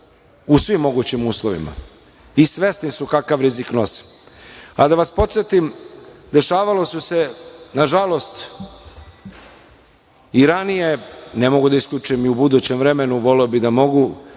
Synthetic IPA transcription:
usʋimːo̞ɡut͡ɕimuːslˠoʋḭma̰ | isʋe̞st̪nisukakaʋɾizikno̞si̥ | a̰d̪aʋaspo̞t̪se̞t̪imd̪e̞ʃaːʋalo̞suse̞naʒalˠo̞st̪ | iɾanije̞ne̞mo̞ɡud̪aisklʲʎʲut͡ʃuimiubud̪ut͡ɕe̞mvɾe̞me̞nuʋo̞leobid̪amo̞ɡu

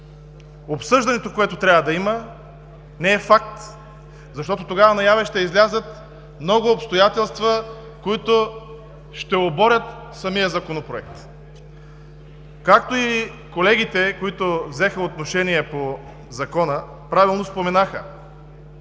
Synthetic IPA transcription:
opsɤʒd̪ɐnɛt̪okoɛt̪ot̪ɾʲavəd̪ɐimə | nɛɛfak̚t̪ | zɐʃt̪ɔt̪ot̪oɡavɐnɐjavɛʃt̪ɛizlʲazət̪ | mnɔɡʊːpst̪ojat̪ɛlˠst̪və | koit̪o | ʃt̪ɛobɔɾʲət̪ | sɐmijəzɐkonopɾoɛk̚t̪ | kak̚t̪oi | kolɛɡ̟it̪ɛkoit̪ovzɛxəot̪noʃɛniɛpo | zɐkɔnə | pɾavilˠnospomɛnaxə̰

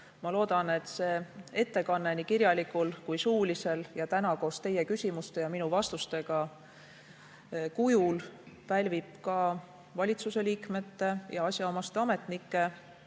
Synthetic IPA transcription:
mɑlo̞ːd̪̥ɑne̞t̪ːse̞ːe̞t̪ːe̞kɑnːe̞nikiɾjɑlikulkujsuːlise̞ljɑt̪ænɑko̞ːst̪e̞je̞kysʲimust̪e̞jɑminuvɑst̪ust̪e̞ɡ̥ɑ | kujulpælʲvipkɑ | vɑlʲit̪suse̞liːkme̞t̪ːe̞jɑɑsʲjɑo̞mɑst̪eɑme̞t̪nikːˑe̞

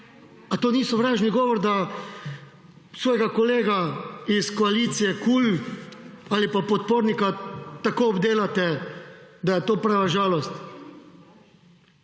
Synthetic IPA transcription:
at̪oːniːsɔʋɾaːʒniɡɔːʋɔɾd̪a | sʋɔːjɛɡakɔleːɡaiskɔaliːt̪sijɛkuːl | aːlipapɔt̪̚poːɾnikat̪akoːɔbd̪eːlat̪ɛ | d̪ajɛt̪oːpɾaːʋaʒaːlɔst̪

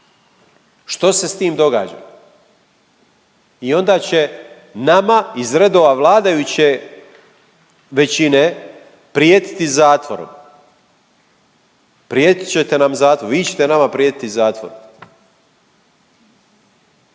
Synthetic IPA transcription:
ʃt̪o̞se̞st̪iːmd̪o̞ɡa̰ːd͡ʑa̰ | io̞nd̪aːt͡ɕe̞ | namaizɾe̞d̪o̞ːʋaʋlˠaːd̪ajut͡ɕe | ʋe̞t͡ɕine | pɾijeːt̪i̥t̪izaːt̪ʋoɾo̰m | pɾjeːt̪i̥t͡ɕe̞t̪e̞namzaːt̪ʋoɾʋiːt͡ɕe̞̥t̪e̞namapɾijeːt̪i̥t̪izaːt̪ʋo̰ɾom

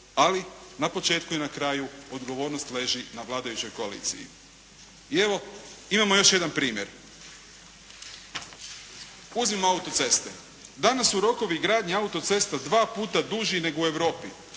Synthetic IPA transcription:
alinapo̞t͡ʃe̞ːt̪kuinakɾaːjuod̪ɡo̞ʋo̞ːɾnost̪le̞ʒinaʋlˠaːd̪ajut͡ɕo̞jko̞alḭːt̪sḭjḭ | ie̞ʋo̞imamo̞jo̞ʃje̞d̪anpɾiːmjeɾ | uzmimoaut̪o̞t̪se̞st̪e̞ | d̪anasuɾo̞ko̞ʋiɡɾaːd̪ɲiaut̪o̞t̪se̞st̪ad̪ʋaːpuːt̪ad̪uʒine̞ɡoue̞ʋɾo̞ːpi

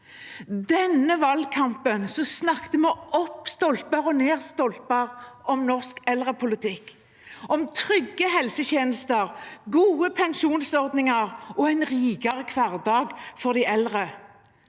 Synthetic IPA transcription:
d̪ɛnːəʋɑlkʰɑmpənsɔsnɑkt̪əmɛʔɔpːst̪ɔlt̪̚bɑʁɔneːʁst̪ɔlt̪̚bɑʁɔmnɔʁskɛlʁəpʰʊlɪt̪ʰɪkː | ʔɔmt̪ʰʁʏɡːəhɛlsəçeːnəst̪əʁɡuːəpʰɛŋʃuːnsɔʁd̪nɪŋɑʁɔɛɪnʁiːɡɑʁəkʰʋɑʁd̪ɑːɡfɔʁd̪æʔɛlʁə

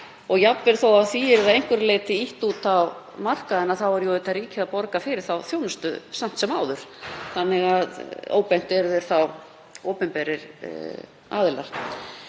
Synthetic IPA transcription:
ɔɣjapvɛɾ̥θowaθiɛɾðaðejŋkvʏɾɪleːjt̪ɪiht̪ut̪aw | mar̥kaðɛnːaðθawvaɾjowɪt̪aɾiːcɪðaðpɔɾkafɪːɾɪɾ̥θawθjownʏst̪ʏ̰sam̥t̪sɛmaːwðʏɾ̥θanːɪɣaðo̰ːwpɛn̥t̪ɛɾðɛɾ̥θaw | oːpɪmpɛːɾɪɾ̥ | a̰ːðɪlax

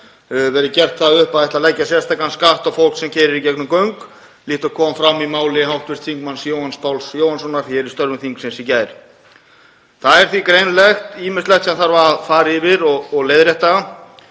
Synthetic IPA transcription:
vɛːɾɪcɛr̥t̪θaðʏhpaðɛht̪laðlɛjcːasjɛ̥st̪akanskaht̪awfowl̥ksɛmcʰɛːɾɪɾicɛknʏmkœɥŋk | liːht̪akʰɔːmfɾamːimaːwlɪɦawht̪vɪst̪θiŋkmansjoːwhanspʰawlsjoːwhansɔnːaɾ̥θɛɾɪst̪œɾmʏmθiŋksɪnsicaːjɾ | θaðɛɾ̥θikɾejnlɛxt̪iːmɪslɛxt̪sɛmθaɾvaafaːɾɪɪvɪɾɔɣːɣleːjðɾɛht̪a

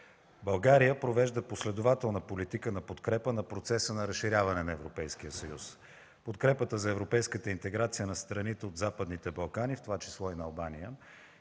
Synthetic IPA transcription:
bɐlˠɡaɾijəpɾovɛʒd̪əposlɛd̪ʊvat̪ɛlˠnəpolit̪ikənɐpot̪kɾɛpənɐpɾot̪sɛsənɐɾəsʃːiɾʲjavɐnɛnɐɛvɾopɛjsk̟iəsəjus | pot̪kɾɛpət̪əzɐɛvɾopɛjskət̪əint̪ɛɡɾat̪sijənɐst̪ɾɐnit̪ɛod̪zapəd̪nit̪ɛbɐlˠkanift̪ovat͡ʃi̥slˠɔinɐːlˠbanijə

